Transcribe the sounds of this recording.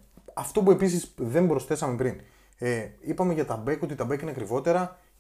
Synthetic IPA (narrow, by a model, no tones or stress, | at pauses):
ɐft̪o̞pue̞pisisðe̞mbɾo̞sθe̞sɐme̞pɾin | eipɐme̞ʝɐt̪ɐbe̞ko̞t̪it̪ɐbekineɐkɾivo̞t̪e̞ɾɐ